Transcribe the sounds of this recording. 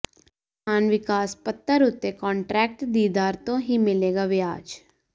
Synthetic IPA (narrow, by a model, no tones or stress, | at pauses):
aːnʋɪkaːspət̪ːəɾʊt̪ːekɔ̃ːɳʈɾɛːk̚ʈd̪iːd̪aːɾt̪õɦimɪleːɡaʋɪa̰ːd͡ʒ